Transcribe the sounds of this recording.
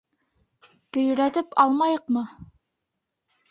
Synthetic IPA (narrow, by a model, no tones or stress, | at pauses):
t̪ɵ̆j̆ɾæt̪ɘpɑlˠmɑjɤqmɤ